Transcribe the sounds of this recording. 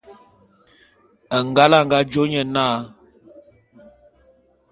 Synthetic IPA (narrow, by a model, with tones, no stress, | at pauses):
ə˨ŋ˨ɡa˦la˦˨ŋ˨ɡa˦d͡ʒo˦ɲə˦˨naː˦˨